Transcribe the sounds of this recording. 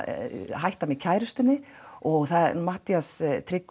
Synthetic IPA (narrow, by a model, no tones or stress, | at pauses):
ɦajht̪amɪcʰaːjɾʏst̪ʏnːɪɔɣθamaht̪iast̪ʰɾɪk